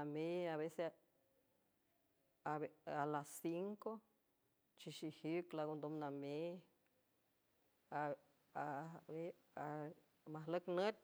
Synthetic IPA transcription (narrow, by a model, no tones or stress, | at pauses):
nameaβese | aealasiŋko | t͡ʃiʃihiklaɣond̪omname | a | ae | a | maɦləknət̪̚ʲ